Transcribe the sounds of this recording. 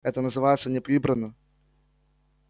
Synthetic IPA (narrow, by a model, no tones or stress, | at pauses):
ɛt̪ənəzɨvajɪt̪sənʲɪpɾʲibɾənːɨ